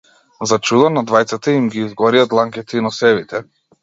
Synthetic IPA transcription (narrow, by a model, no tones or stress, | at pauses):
zat͡ʃud̪ɔnad̪vajt̪sat̪aimɡiːzɡɔɾiat̪lˠaŋkɛt̪ɛinɔsɛvit̪ɛ